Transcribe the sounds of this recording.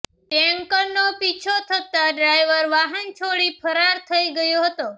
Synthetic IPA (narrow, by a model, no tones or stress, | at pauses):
tɛəŋkəɾnopit͡ʃʰot̪ʰət̪aɖɾajʋəɾʋaɦənt͡ʃʰoɽipʰəɾaɾt̪ʰəiɡəjoɦət̪o